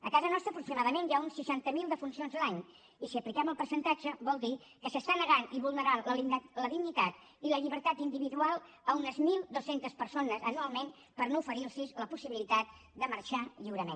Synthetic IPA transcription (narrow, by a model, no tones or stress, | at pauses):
ə̰kazənɔst̪ɾəpɾuksimaðəmenʒaunsiʃant̪əmilˠd̪əfunsionzəlaɲ | isiəplikɛməlˠpəɾsənt̪ad͡ʒəβɔlˠd̪i | kəsəst̪anəɣaniβulˠnəɾanlələðiɡɲit̪at̪ | iləʎiβəɾt̪at̪ind̪iβiðualˠ | əunəzmilˠd̪osent̪əspəɾsonəzənualˠmen | pəɾnoufəɾilsizləpusiβilit̪at̪̚ | d̪əmərʃaʎiwɾəmḛ̃n